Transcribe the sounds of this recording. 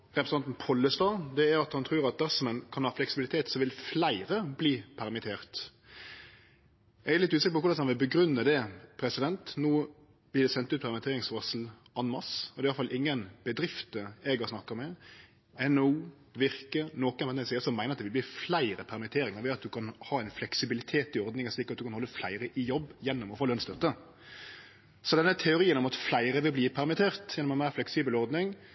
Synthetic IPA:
ɾɛpɾəsɑnt̪n̩pʰɔlːəst̪ɑːd̪ɛæɾɑt̪hɑnt̪ʰɾʉːɾɑt̪̚d̪æɾsɔmənkʰɑnhɑːflɛksɪbɪlɪt̪ʰeːt̪sɔʋɪlflæɪɾəbliːpʰæɾmɪt̪ʰeːʁt̪ | ɛɡæɛlɪt̪ːʉːsɪkːəpɔkʊɾdɑnsɔɑnʋɪlbəɡɾʉnːəd̪ɛpʰɾɛsɪd̪ɛnt̪nuː | b̥lɪːd̪ɛsɛnt̪ʉːt̪̚pʰæɾmɪt̪ʰeːɾɪŋsʋɑsl̩ | ɑnmɑsɔd̪ɛɪɑlfɑlʔɪŋːənb̥əd̪ɾɪft̪əɛɡɑsnɑkːəmɛ | ɛnuː | ʋɪɾkəɾnoːkənʋɛnɛsiːəsɔmæɪəɑt̪d̪ɛʋɪlbliːflæɪɾəpʰæɾmɪt̪ʰeːɾɪŋəɾʋɛɑt̪̚d̪ʉkʰɑnhɑːɛɪnflɛksɪbɪlɪt̪ʰeːt̪ɪɔɾd̪nɪŋɑslɪkːɾɑt̪̚d̪ʉkɑnhɔlːəflæɪɾəʔɪjɔbːjɛnːʊmɔfoːlœnst̪œt̪ːə | sɔd̪ɛnːət̪ʰɛʊɾiːənɔmɑt̪flæɪɾəʋɪlbliːpʰæɾmɪt̪ʰeːɾt̪jɛnːɔmɛnmæɪɾflɛksiːbəlɔɾd̪nɪŋ

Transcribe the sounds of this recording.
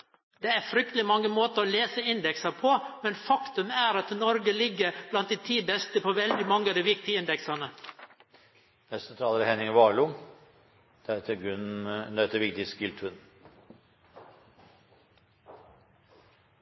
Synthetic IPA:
d̪̥eːæɾfɾʏk̚t̪əlɪmɑŋːəmoːt̪əɾɔleːsəɪnd̪ɛksɑpʰɔmɛnfɑkt̪ʉmæːɾɑt̪nɔɾɡəlɪɡːəɾb̥lɑnt̪̚d̪iːt̪ʰiːbɛst̪əpʰoʋɛld̪ɪmɑŋːəɑd̪iːʋɪk̚t̪ɪɡəɪnd̪ɛksɑnə | nɛst̪ət̪ʰɾɑːləɾhɛnɪŋʋɑːɭuː | d̪̥ɛt̪ʰːəɡʉnd̪æt̪ːəʋɪkt̪ɪskɪlt̪ʰʉn

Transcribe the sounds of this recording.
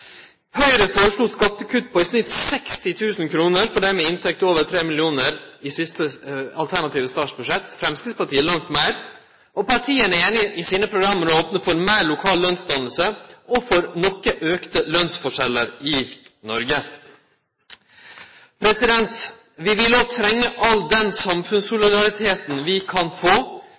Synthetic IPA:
hœʏɾəfɔːɾəʂɭuːskɑp̚t̪əkʰʉt̪̚ːpʰɔɪsnɪt̪sɛkst̪ɪt̪ʰʉːsn̩kʰɾuːnəɾfɔɖɛmɛɪnt̪ʰɛk̚t̪oːʋət̪ʰɾeːmɪlɪuːnəɾɪsɪst̪əɑ̰lt̪ʰæɳɑt̪iːʋəst̪ɑːʂbʉʂɛt̪ːfɾɛmskɪspɑʈiːəlɑŋt̪mæɪɾ | ʔɔpʰɑʈʰiːənəeːnɪʔɪsiːnəpʰɾʊɡɾɑmːəɾoːpnəfɔɾmæːɾɭʊkʰɑːllœnsd̪ɑnəl̩səɔfɔɾnɔkːəʔøːkt̪əlœnsfɔʂɛlːəɾɪnɔɾɡə | pʰɾɛsɪd̪ɛnt̪ | ʋɪʋɪloːt̪ʰɾɛŋːəʔɑld̪ɛnsɑmfʉnsʊlɪd̪ɑɾɪt̪ʰeːt̪n̩ʋɪkʰɑnfoː

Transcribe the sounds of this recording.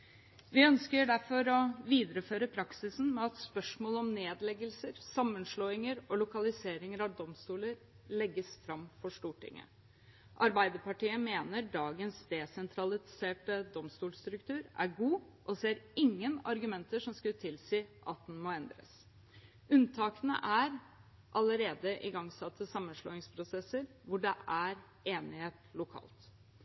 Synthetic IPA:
ʋɪœnskəɖæɾfɔɾɔʋiːd̪əɾəføːɾəpʰɾɑksɪsn̩mɛɑt̪spœʂmoːləɔmneːd̪lɛɡəlsəɾsɑmːənʂloːɪŋəɾɔlʊkɑlɪseːɾɪŋəɾɑʋd̪ɔmst̪uːləɾ | lɛɡːəsfɾɑmːfɔʂʈuːʈɪ̰ŋːə̰ | ʔɑɾbæɪd̪əpɑʈiːəmeːnəɖɑːɡənsd̪ɛsɛnt̪ʰɾɑlɪseːʈəd̪ɔmst̪uːlst̪ɾʉkt̪ʉːɾæ̰ɾɡuː | ʔɔseːɾɪŋːənɑɾɡʉmɛnt̪əʂɔmskʉlt̪ʰɪlsiːʔɑt̪̚d̪ɛnmoɛnd̪ɾə̰s | ʉnt̪ʰɑːkənə̰ʔæɾ | ʔɑləɾeːd̪əʔɪɡɑŋsɑt̪ʰːəsɑmːənʂlo̰ːɪŋspʰɾʊsɛsəɾʋʊɖɛʔæɾ | ʔeːnɪheːt̪lʊkʰɑ̰ːlt̪

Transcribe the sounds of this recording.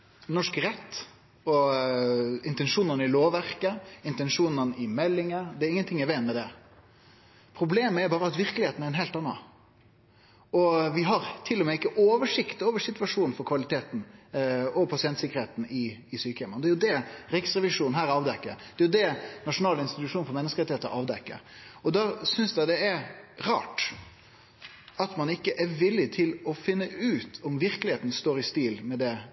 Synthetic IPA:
nɔʂkɾɛt̪ː | ɔ | ɪnt̪ɛnʂuːnənəɪloːʋæɾkəɪnt̪ɛnʂuːnənəɪmɛlːɪŋəd̪ɛɛɾɪŋːənt̪ʰɪŋːæʋɛnmɛd̪ɛ | pʰɾʊbleːməæɾbɑːɾəɑt̪ʋɪɾkəlɪeːt̪n̩æɾɛnɦɛːlt̪ɑnːɑ̰ | ɔʋɪɦɑɾt̪ʰɪlːɔmɛɪkːəʔoːʋəʂɪkt̪oːʋəʂɪt̪ʋɑʂuːnfɔɾkʰʋɑlɪt̪ʰeːt̪n̩ | ɔpʰɑsɪɛnt̪sɪkːəɾheːt̪n̩ɪːsyːkəɛmənd̪ɛːjʊd̪ɛɾɪksɾɛʋɪʂuːnn̩ɦæːɾɑːʋd̪ɛkːəɾd̪̥ɛæjʊd̪ɛnɑʂʊnɑːlɪnst̪ɪt̪ʉʂuːnfɔɾmɛnːəskəʁɛt̪ɪeːt̪əɾɑːʋd̪ɛkːə̰ɾɔd̪ɑsʏnsd̪æɪd̪ɛɛɾɑ̰ːʈ | ɑt̪mɑnɪkːəʔæɾʋɪlːɪt̪ʰɪlɔfɪnːəʔʉːt̪ʰɔmʋɪɾkəlɪheːt̪n̩st̪oːɾɪst̪iːlmɛd̪ɛ

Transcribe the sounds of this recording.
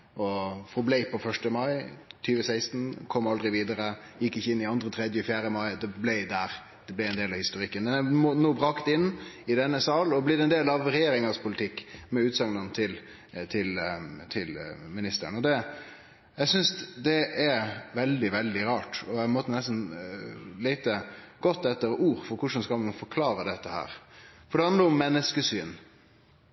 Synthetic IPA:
ɔfɔblɛɪpʰɔfœʂʈəmɑɪt̪ʰyːʋəsæɪst̪n̩kʰɔmːɑld̪ɾɪʋiːd̪əɾə | jɪkːɪçːəɪnːɪɑnd̪ɾət̪ʰɾɛd̪jəɔfjæːɾəmɑɪd̪ɛblɛɪd̪æːɾ | d̪̥ɛblɛɪɛnd̪eːlɑʋhɪst̪ʊɾɪkːənmɛnæmonoːbɾɑkt̪ɪnːɪd̪ɛnːəsɑːlɔblɛd̪ɛnd̪eːlɑʋɾɛjeːɾɪŋɑspʰʊlɪt̪ʰɪkːmɛʉːt̪sɑŋnənt̪ʰɪl | t̪ʰɪlt̪ʰɪlmɪnɪst̪ə̰ɾənɔd̪ɛ | jæɪsʏnsd̪ɛʔæɾʋɛld̪ɪʋɛld̪ɪɾɑːʈɔæmɔːt̪ːənɛst̪n̩ | lɛɪt̪əɡ̥ɔt̪ːɛt̪ːəɾuːɾfɔɾkʰʊʂəmskɑlmɑnfɔɾkʰlɑːɾəd̪ɛt̪ːəhæ̰ːɾfɔɾɖɛhɑnd̪əɾʊmːɛnːəskəsyːn

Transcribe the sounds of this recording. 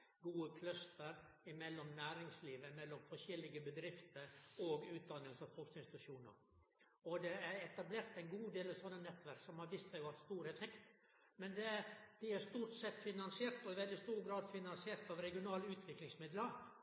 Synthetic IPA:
ɡuːəkʰlœst̪əɾ | ɪmɛlːɔmnæːɾɪŋsliːʋəɪmɛlːɔmfɔʂɛlːɪɡəbəd̪ɾɪft̪əɾɔɡʉːt̪̚d̪ɑnːəlsəɑfɔknɪnsɪt̪ʉʂuːnə̰ɾ | ɔd̪ɛæɾɛt̪ɑbleːɾt̪ɛɪnɡuːd̪eːlɑsɔnːənɛt̪ːʋæɾksɔmhɑɾʋiːst̪sɛɪʊhɑst̪uːɾɛfɛkt̪ | mɛnd̪ɛd̪̥ɪæɾʂt̪uːɾʈ̪sɛt̪ːfɪnɑnsɪeːɾt̪ɔɪʋɛld̪ɪst̪uːɾɡɾɑːd̪fɪnɑnsɪeːɾt̪ɑʋɾɛɡɪʊnɑːləʉːt̪ʰʋɪklɪŋsmɪd̪ləɾ

